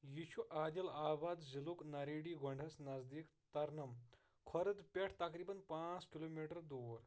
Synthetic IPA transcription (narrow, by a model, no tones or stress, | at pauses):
jiʃuʔaːd̪ʲɐlaːʋaːd̪ziluknɐɾiːɽiːɡʱoɳɖʱɐsnɐzd̪ikt̪ɐɾnɐm | kʰɔɾɐd̪pʲeʈʰt̪ɐkɾiːbɐnpãːt͡skiloːmiʈɐɾd̪oːɾ